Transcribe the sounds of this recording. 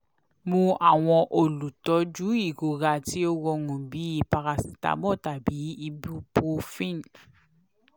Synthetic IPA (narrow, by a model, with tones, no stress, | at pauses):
mũ˧a˨w̃ɔ̃˧ʔo˨lu˨tɔ˨˦d͡ʒu˨˦i˦˨ɡo˨ɡa˧˨ti˦o˦ɡɔ˧ŋũ˨bi˨˦i˦˨pa˧ɾa˧si̥˨ta̰˨˦bɔ˦˨ta˨bi˨˦i˧bu˦po˧fĩ˦˨n˨